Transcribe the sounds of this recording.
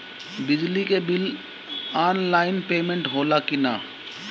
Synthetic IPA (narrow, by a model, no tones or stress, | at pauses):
bɪd͡ʒlikebɪl | aːnlaːɪnpeːmẽɳʈɦoːlakɪnaː